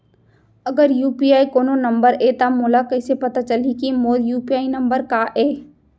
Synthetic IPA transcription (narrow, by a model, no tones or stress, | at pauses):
ɐɡəɾjuːpiaːikoːnonɐ̃mbəɾeːt̪amoːlakɐɪsepɐt̪at͡ʃəlikimoːljuːpiaːinɐ̃mbəɾkaʔeː